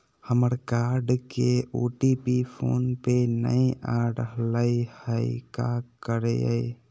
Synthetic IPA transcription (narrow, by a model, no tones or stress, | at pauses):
həməɾkaːɾɖkeoːʈipipʰo̰ːnpenə̰ĩʔaːɾɖəɦləihəikakəɾeə̰i